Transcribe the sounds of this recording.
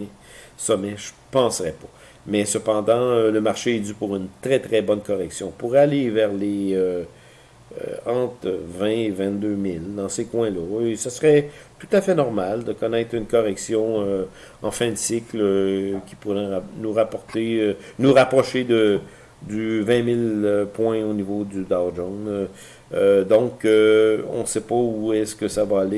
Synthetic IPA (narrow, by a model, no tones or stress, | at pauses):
sɔmɛʒəpɑ̃sʁɛpḁ | mɛsəpɑ̃d̪ɑ̃øləmaʁʃeɛd̪ypuʁynt̪ʁɛt̪ʁɛbɔnkɔʁɛksjɔ̃puʁɛalevɛːʁleø | ø̰ɑ̃ːt̪vɛ̃vɛ̃t̪̚d̪ømɪld̪ɑ̃sekwɛ̃lɔesasʁɛt̪u̥t̪afɛnɔʁmald̪əkɔnɛt̪ʁynkɔʁɛksjɔ̃ø | ɑ̃fɛ̃d̪sɪkləkʲi̥puʁɛnuʁapɔʁt̪enuʁapʁɔʃed̪ə | d̪yvɛ̃mɪløpwɛ̃onivod̪yd̪ad͡ʒɔ̃n | ød̪ɔ̃køɔ̰̃sepauɛskəsavaːle